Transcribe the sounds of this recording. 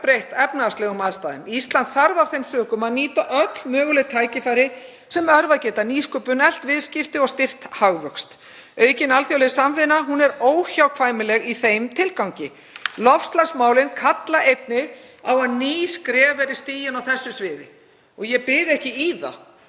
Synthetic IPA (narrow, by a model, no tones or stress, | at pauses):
pɾejht̪ɛpnaast̪lɛɣʏmaðst̪aːðʏmist̪lant̪θaɾvav̥θejmsœːkʏmaðniːt̪aʔœt̪lmœːɣʏlɪt̪ʰaːjcɪfaːjɾɪ | sɛmœɾvaðcɛːt̪aniːskʏːpʏnɛl̥t̪vɪðscɪft̪ɪɔɣst̪ɪr̥t̪haɣvœkst̪ | œːɥcɪnalθjawlɛsamvɪnaɦunɛɾoːwçawkʰvaːjmɪlɛɣiθejmt̪ʰɪlkawɲcɪ | lɔfst̪lasmaːwlɪnkʰat̪laʔejt̪̚nɪɣ | awaðniːskɾɛːvɛɾɪst̪iːjɪnawθɛsːʏsvɪːðɪ | ɔɣjɛpɪðɛhcɪiːða̰